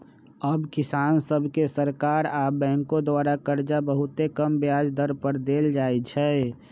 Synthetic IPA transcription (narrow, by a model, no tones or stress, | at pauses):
əbkɪsaːnsəbʱkesəɾkaːɾaːbɛ̃ːŋkõd̪waːɾakəɾd͡ʒabəɦʊt̪ekəmbjaːd͡ʒd̪əɾpəɾd̪eːld͡ʒaːit͡ʃʰɛ